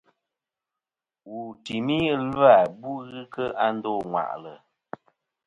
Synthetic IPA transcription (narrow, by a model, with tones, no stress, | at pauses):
wu˨ti˨mi˦la˨bu˦ɣɨ˦kə˦ʔa˦n̩˦dɔ˦˨ŋwa̰˨ʔlə˨